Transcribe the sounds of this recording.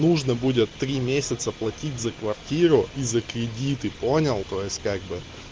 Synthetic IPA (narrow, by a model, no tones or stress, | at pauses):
nuʐnəbudʲɪt̪ːɾʲimʲesʲɪt̪səplˠɐtʲitʲzəkvɐrtʲiɾʊʔizəkɾʲɪdʲit̪ɨpo̞nʲɪlˠt̪o̞jɪsʲtʲkaɡ̚bɨ